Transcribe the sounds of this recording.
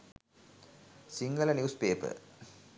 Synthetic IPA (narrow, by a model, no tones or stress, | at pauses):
siŋɡəlɐnjuːspeːpɨ̰